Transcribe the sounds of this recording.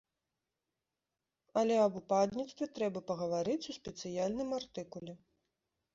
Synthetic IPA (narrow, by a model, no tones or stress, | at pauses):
ɐlʲɛɐbupad̪nʲit̪st̪vʲɛt̪ɾɛbɐpɐɣɐvaɾɨt͡sʲuspʲɛt̪sɨjalʲnɨmart̪ɨkulʲɛ